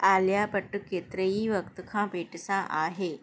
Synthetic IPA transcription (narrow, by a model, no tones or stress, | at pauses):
aljapəʈːket̪ɾəiːʋəkt̪kʰãpeʈsãʔaɦe